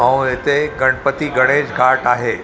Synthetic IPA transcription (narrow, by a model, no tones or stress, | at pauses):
ãw̃et̪eɡəɳpət̪iɡəɽ̃ed͡ʑɡʱaʈaɦe